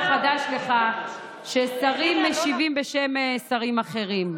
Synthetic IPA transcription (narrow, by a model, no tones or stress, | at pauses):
χad̪aʃle̞χa | ʃesaʁimːeʃivimbeʃe̞msaʁimaχe̞ʁim